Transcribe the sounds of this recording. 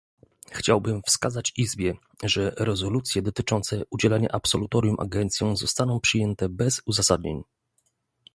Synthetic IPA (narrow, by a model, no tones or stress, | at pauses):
xt͡ɕawbɘmfskazat͡ɕizbʲjɛ | ʐɛɾɛzɔlut̪sʲjɛd̪ɔt̪ɘt͡ʂɔnt̪sɛud͡ʑɛlaɲa̰ʔapsɔlut̪ɔɾʲjumʔa̰ɡɛnt̪sʲjɔ̃w̃zɔst̪anɔ̃w̃pʂɘjɛnt̪ɛbɛzuzasad̪ɲḛɲ